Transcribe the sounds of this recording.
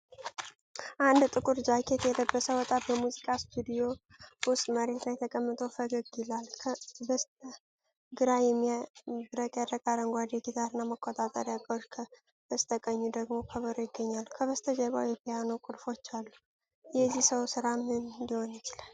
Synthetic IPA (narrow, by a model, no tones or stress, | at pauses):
ʔand̪t̪ʼɨkʼuɾd͡ʒakʰet̪ʰjɛd̪əbːəsəwɔt̪ʼat̪̚bəmuzikʼast̪ʰud̪ijo̞ | wʊst̪ʼməɾe̞t̪lajt̪ʰəkʼəmːɨt̪ʼofəɡəɡɛlalkʰəbəst̪ə | ɡɨɾajɛmːibɨɾəkʼjad̪əkʼaɾəŋɡʷad̪jɛɡit̪ʰaɾɨnːaməkʰːot̪ʼat̪ʼə̰ɾjakʼəɾkʰə | b̥əst̪ʰʼəkʼəɲːud̪əɡmo̞kʰəβəɾojɪɡːəɲːalːukʰəβəst̪ʰəd͡ʒəβa̰wjɛpʰijanokʼʊɾfo̞t͡ʃːalːu | jɛzːihsəwsɨɾamnnd̪iho̞njɪt͡ʃɪlal